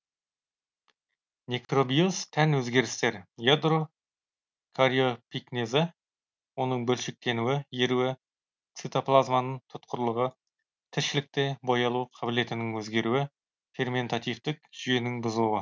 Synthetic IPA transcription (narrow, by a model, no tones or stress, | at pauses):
nʲek̪ro̞bijost̪ʰænwɵzɡʲe̞ɾɪst̪e̞ɾjad̪ro | kʰaɾʲio̞piknʲezɪ | wo̞nəɴbɵlʃɪk̚t̪e̞nuwɪjeɾuwɪ | t̪sit̪oplˠazmanəɴt̪ʰʊt̪qʰəɾlˠəʁə | t̪ʰɪɾʃɪlɪk̚t̪e̞bojɑlˠuqʰɑbɪle̞t̪ɪnɪŋwɵzɡʲe̞ɾuwɪ | fe̞rme̞nt̪at̪ijft̪ɪk̚ʒ̥ʏje̞nɪŋbʊzəlˠuwə